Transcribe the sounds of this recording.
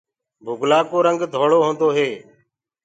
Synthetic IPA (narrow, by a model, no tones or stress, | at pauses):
bʱʊɡlaːkoːɾəŋɡd̪ʱoːɭoːɦõːnd̪oːɦeː